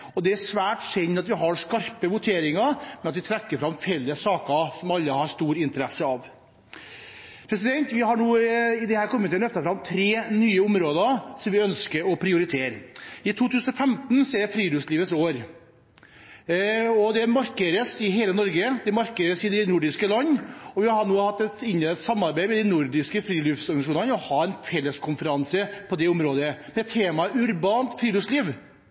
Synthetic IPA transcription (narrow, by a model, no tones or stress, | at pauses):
ɔd̪ɛæʂʋæːʈsɛnːɑt̪ʋɪɦɑɾʂkɑɾpəʋʊt̪ʰeːɾɪŋɑɾmɛnɑt̪ʋɪt̪ʰɾɛkːəɾfɾɑmfɛlːəsːɑːkəsɔmɑlːəhɑɾʂt̪uːɾɪnt̪əɾɛsːəɑʋ | pʰɾɛs̬ɪd̪ɛnt̪ʋɪɦɑɳuːɪd̪ɛhæːɾkʰɔmːət̪ɛnœft̪əfɾɑmt̪ʰɾeːnyːəʊmɾoːd̪əɾsɔmʋɪœnskəɾɔpʰɾɪʊɾɪt̪ʰeːɾɪt̪ʰuːt̪ʰʉːsən̩ɔfɛmt̪nseːɾfɾiːd̪ʉsliːʋət̪soːɾ | ɔd̪ɛmɑɾkeɾəsɪɦeːlənɔɾɡəd̪ɛmɑɾkəɾəsɪd̪ɛnʊɖɪskəlɑnːɔʋɪɑhɑɳuːhɑt̪ːɛt̪ɪnːət̪sɑmːɑɾbæɪmɛd̪ɪnʊɾɖɪskəfɾiːlʉfsɔɾɡɑnsɑʂ̬uːnɑnɔhɑːɛnfɛlːəskʰʊnfəɾɑnsəpʰɔd̪ɛʊmɾoːd̪əmɛt̪ʰːeːmɑʉɾbɑːnt̪fɾiːlʉsliːʋ